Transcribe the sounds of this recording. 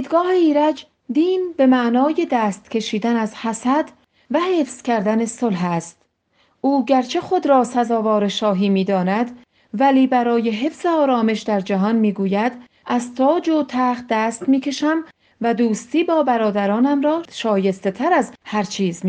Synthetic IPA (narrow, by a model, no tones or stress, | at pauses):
d̪ɡɒːheiːɾæd͡ʒ | d̪iːnbe̞mæʔnɒːje̞d̪æːst̪cʲʰe̞ʃiːd̪ænæzhæsæd̪ | væheːfscʲʰæɾd̪ænesolɦæst̪ | ʔuːɟæɾt͡ʃʰe̞xo̞d̪ɾɒːsæzɒːvɒːɾe̞ʃɒːɦiːmiːd̪ɒːnæd̪ | væliːbæɾɒːje̞ɦe̞fz̥e̞ɒːɾɒːme̞ʃd̪æɾd͡ʒæɦɒːnmiːɡuːjæd̪ | ʔæzt̪ʰɒːd͡ʒot̪ʰæːχd̪æːst̪miːcʲʰe̞ʃæm | væd̪uːst̪iːbɒːbæɾɒːd̪æɾɒːnæmɾɒːʃɒːje̞st̪e̞t̪ʰæɾæzhæɾt͡ʃʰiːz